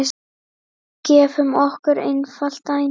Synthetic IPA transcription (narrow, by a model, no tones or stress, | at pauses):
cɛːfʏmɔhkʏɾḛjnfal̥t̪aj